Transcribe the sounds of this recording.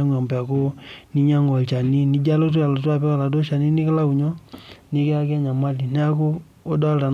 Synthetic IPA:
a˦ŋ˨a˨mpɛ˨a˨ko˦ni˦ɲa˦ŋɔ˨lt͡ʃa˨ni˦ni˦d͡ʒa˦lo˦t̬u˦a˨lo˨tu˦a˦˨pɛ˦ka˨la˨do˦ʃa˨ni˦ni˦ka˦la˦ku˨ɲɔ˦ni˦ke˦a˦kɛ˦ɲa˨ma˦li˨n˦a˦ko˦ | o˦da˦lta˨n

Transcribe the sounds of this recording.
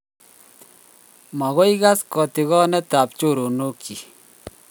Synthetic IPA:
ma˨ɣo˦jɣa˦skɔ˨t̪ɪ˨ɣɔ˦nɛ˦t̪a˨pt͡ʃu˦˨ɾo˨no˦kʰːi˨

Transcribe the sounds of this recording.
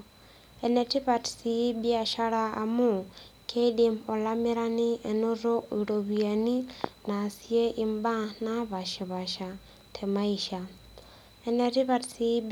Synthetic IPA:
e˨ne˨ti˦βa˨tsibia˨ʃa˦ɾaː˨mu˦kʰe˦dimo˨lami˦ɾa˦ni˦ʔe˨no˦ɾo˦iɾoβia˨ni˦na˨sie˦ʔimba˦na˦βa˨ʃi˨βaʃa˨ | tʰema˦iʃa | e˨netiβatsi

